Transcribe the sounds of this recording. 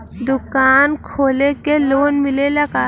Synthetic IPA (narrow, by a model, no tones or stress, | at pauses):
d̪ʊkaːnkʰoːlekeloːnmɪlelakaː